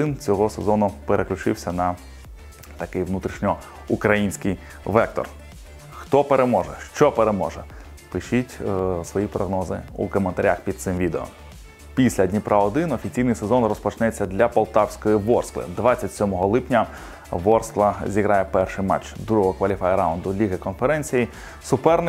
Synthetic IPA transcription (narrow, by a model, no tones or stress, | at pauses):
ɪnt͡sʲɔɦɔsezɔnʊpeɾʔeklʲʊt͡ʃɪ̰wsʲɐnɐ | t̪ɐkɪjʋnut̪ɾʲiʃnʲɔ | ukɾɐjinʲsʲkɪj | ʋɛk̚t̪ɔ̰r | xt̪ɔpeɾemɔʒɛʃt͡ʃɔpeɾemɔʒɛ | pɪʃitʲsʋɔjipɾɔɦnɔzɪ̰ṵkɔment̪ɐɾʲaxpʲid̪̚t̪sɪmʋʲid̪eɔ̰m | pʲisʲlʲɐdʲnʲipɾʔaɔd̪ɪnɔfʲit͡sʲijnɨjsezɔnrɔspɔt͡ʃnɛt͡sʲːɐd̪lʲɐpɐlˠt̪ɑwsʲkɔjiʋɔrsklˠɪ̰d̪ʋɑt͡sʲːɐtʲsʲɔmɔɦɔlˠɪpnʲɐ | ʋɔrsklˠɐzʲiɣɾɑjɛpɛrʃɪjmɑ̰t͡ʃd̪ɾuɦɔɦɔkʋɐlʲifajɾaʊnd̪ʊlʲiɣɐkɔnfeɾɛnʲt͡sʲiji | sʊpɛrnɪ